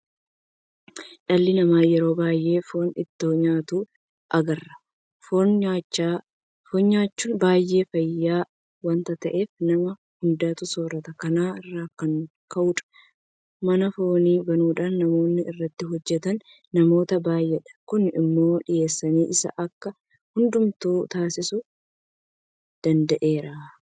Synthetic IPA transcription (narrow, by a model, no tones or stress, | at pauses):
ᶑɐlːɪnɐmaːjɛɾo̞ːbaːjʔe̞ːfo̞ːnɪ̰t̪ːoːɲaːt̪uː | ʔɐɡɐrːɐ̥ | foa | foːɲɲaːt͡ʃːunbaːjʔe̞ːfɐjːaː | wɐnt̪ɐt̪ɐʔe̞ːfnɐmɐ | hʊnd̪aːt̪ʊso̞ːɾɐt̪ɐkɐnaːɪrːaːkɐŋ | kɐʔʊᶑɐ̥ | mɐnɐfo̞ːniːbɐnuːᶑaːnːɐmo̞ːnːɪʔɪrːɐt̪ːɪɦɔd͡ʒːɛt̪ɐnː | ɐmo̞ːt̪ɐbaːjːɛᶑɐ̥kʊnɪ̰mːo̞ːᶑɪje̞ːsːɐniːʔɪsɐ̰ʔɐkːɐ | hʊnd̪ʊmt̪uːt̪aːsɪsʊ | d̪̥ɐnd̪ɐʔe̞ːɾaː